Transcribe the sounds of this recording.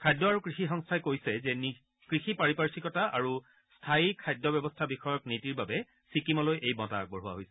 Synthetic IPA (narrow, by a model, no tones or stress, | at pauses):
kʰajdɔaɹukɹixixɔŋstʰajkojsɛzɛni | kɹixipaɹipaɹsikɔtaʔaɹu | stʰaikʰajdɔbɛbɔstʰabixɔjɔknitiɹbabɛ | sikimɔlojʔejbɔta̰k̚bɔɹɦuwa̰ɦojsɛ̥